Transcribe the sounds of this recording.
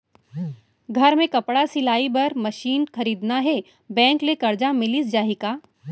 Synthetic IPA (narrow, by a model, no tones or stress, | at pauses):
ɡʱɐɾmẽkɐpɽasɪlaːibɐɾmɐʃiːnxɐɾiːd̪naɦɛ | bɛ̃ːŋklekɐɾd͡ʒamɪlisd͡ʒaːɦikaː